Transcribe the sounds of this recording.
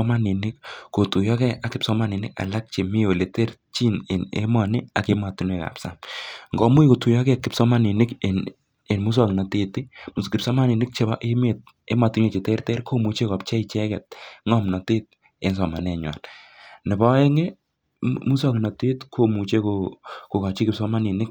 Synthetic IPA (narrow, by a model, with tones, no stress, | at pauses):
ɔ˦ma˦nɪ˨nɪ˦kːo˨tu˨jɔ˦kɛ˦a˦kɪ˨psɔ˦ma˦nɪ˨nɪ˦ka̰˨la˦k̚t͡ʃe˨mɪ˦o˨le˨tɛ˦r | t͡ʃi˦nɪ̰˨nḛ˦mɔ˨nɪ˦a˨ke˦ma˨tu˨nwe˦˨ka̰˨psa̰˦mŋɡɔ˨mu˦i˦ko˨tu˨jɔ˦kɛ˦˨kɪ˨˦psɔ˦ma˦nɪ˨nɪ˦kn | e˨nmu˦s̬a˦˨knɔ˨te˦tɪ˦m˨skɪ˨psɔ˦ma˦˨nɪ˨nɪ˦k̚t͡ʃe˨ba˦ʔe˦me˨t̚ | e˦ma˨tu˨nwe˦˨t͡ʃe˨tɛ˦rtɛ˦ɾkʰo˦mu˨t͡ʃe˦kɔ˨p̚t͡ʃɛ˦i˨t͡ʃɛ˦kɛ˨t̚ŋɔ˦mnɔ˨te˦t̚ | e˦ns̬ɔ˨ma˨nɛ˨ɲwa̰˨nnɪ˨bɔ˦ɛ˦ŋe˦ | mu˦s̬a˦knɔ˨te˦tkʰo˦mu˨t͡ʃe˦ko˨ko˨ka˨t͡ʃi˦kɪ˨psɔ˦ma˦ni˨nɪ˦k̚